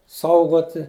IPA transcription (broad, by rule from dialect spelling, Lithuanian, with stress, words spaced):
ˈsɐʊɡoːtʲɪ